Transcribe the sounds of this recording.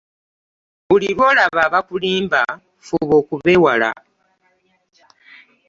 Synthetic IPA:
βulilwo̞ːlaβaːβakuliːmba | fuβo̞ːkuβewala̰

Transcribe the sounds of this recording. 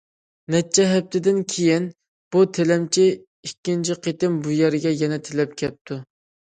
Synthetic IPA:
nɛt͡ʃʰːɛɦɛp̚t̪ʰɪd̪ɪnkʲʰejin | b̥ut̪ʰelɛmt͡ʃʰi | ikʲːint͡ʃʰiqʰet̪ɪmbujɛɾɪɡʲɛjɛnɛt̪ʰelɛp̚kʲʰɛp̚t̪ʰu

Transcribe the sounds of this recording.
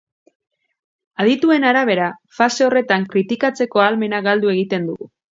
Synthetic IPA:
að̞it̪ue̞naɾaβ̞e̞ɾafase̞o̞re̞t̪aŋkɾit̪ikat͡se̞ko̞alme̞naɣald̪ue̞ɣ̞it̪e̞nd̪uɣu

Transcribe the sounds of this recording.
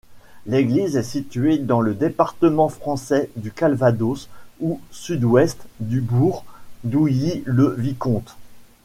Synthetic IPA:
leɡlizɛsit̪ɥed̪ɑ̃ləd̪epaʁt̪əmɑ̃fχɑ̃sɛd̪ykalvad̪osusyd̪wɛst̪d̪ybuʁd̪uiləvikɔ̃t̪

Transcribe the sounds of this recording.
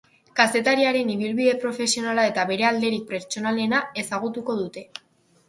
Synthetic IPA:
kase̞t̪aɾiaɾe̞niβ̞ilβiðe̞pɾo̞fe̞sio̞nalae̞t̪aβe̞ɾe̞ald̪e̞ɾik̚pe̞ɾt͡ʃo̞nale̞nae̞saɣ̞ut̪uko̞ð̞ut̪e̞

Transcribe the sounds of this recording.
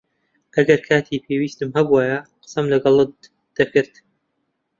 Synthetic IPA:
ʔɐɡɐɾkʰaːt̪ʰiːpʰeːwiːst̪ɨmhɐbuaːjɐqɨ̥sɐmlɐɡɑlˠɨ | d̪̥ɐkɨɾt̪

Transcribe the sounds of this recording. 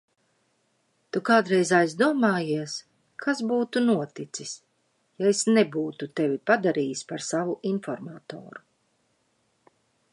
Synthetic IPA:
t̪ukaːd̪ɾɛjzajzd̪uɔmaːjiɛs | kʰasbuːt̪unuɔt̪it̪sis | jaesnɛbuːt̪ut̪ɛvʲipad̪aɾiːjspaɾsavuʔinfɔɾmaːt̪ɔ̰ːɾu

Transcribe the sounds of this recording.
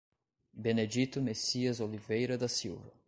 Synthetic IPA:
bened͡ʒit̪ʊmesiɐzolivejɾɐd̪ɐsiwvɐ

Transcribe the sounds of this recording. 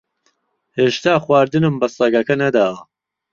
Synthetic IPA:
heːʃt̪ʰaːχwaːɾd̪ɨnɨmbɐsˤɐɡɐkɐnɐd̪aːwɐ

